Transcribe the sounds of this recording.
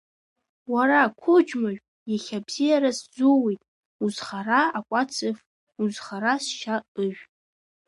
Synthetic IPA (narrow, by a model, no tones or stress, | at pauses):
waɾakʷʰʊd͡ʒmaʒᶣʷ | jaχʲabzijaɾasd͡zuwejtʼ | uzχaraakʷʼat͡sʰɨf | uzχaɾasʃaʔɨʒᶣʷ